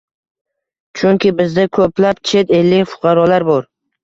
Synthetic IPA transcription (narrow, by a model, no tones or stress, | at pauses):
t͡ʃʰʊŋkʲɪbɪzd̪akʰoplapt͡ʃʰe̞t̪elːɪŋfʊ̥qʰɑɾɒlaɾbɒɾ